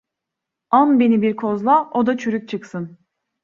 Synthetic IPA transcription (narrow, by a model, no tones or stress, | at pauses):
anbe̞nibiɾkʰo̞zlˠaʔo̞d̪at͡ʃʰyɾyc̚t͡ʃʰɯksɯn